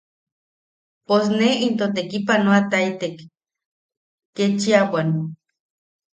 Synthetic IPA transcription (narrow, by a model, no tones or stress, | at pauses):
pos̬neint̪ot̪ekipanoat̪ait̪ek | et͡ʃiawan